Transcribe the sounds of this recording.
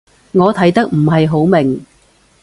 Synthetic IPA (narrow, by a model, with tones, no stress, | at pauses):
ŋɔː˨˧t̪ʰɐ˨˥jt̪ɐ˥k̚m̩˨˩ɦɐ˨jɦo˨˥wmɪ˨˩ŋ